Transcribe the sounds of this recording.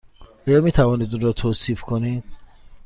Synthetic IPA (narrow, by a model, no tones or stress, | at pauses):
ɔːjɒːmiːt̪ʰævɒːnid̪uɾɔːt̪ʰoːsiːfkʰonid̪̥̚